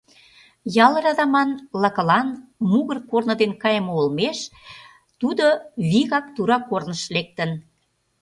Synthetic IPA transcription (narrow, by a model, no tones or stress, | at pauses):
jɑlə̆ɾɑd̪ɑmɑnlɑkə̆lɑnmuɣərkornə̆d̪enkɑjəmoolmeʃ | t̪ud̪oβiɣɑk̚t̪uɾɑkornəʃlek̚t̪ən